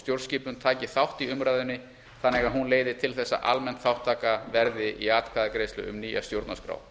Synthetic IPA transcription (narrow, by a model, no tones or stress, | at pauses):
t̪jowɾsciːpʏnt̪ʰaːcɪθawht̪iʏmɾaːjðʏnːɪ | θanːɛɣaðɦunleːjðɪt̪ʰɪlθɛsːa̰ʔalmɛnt̪θawht̪ʰːaːkavɛɾðɪʔiaːt̪kʰvaðakɾejslʏ̰ʏ̰mniːja̰st̪jowɾt̪naskɾa̰ːw